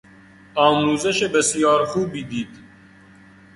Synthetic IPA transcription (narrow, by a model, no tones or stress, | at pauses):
ɑːmuːzɛʃebɛsijɑːɾxuːbid̪iːt̪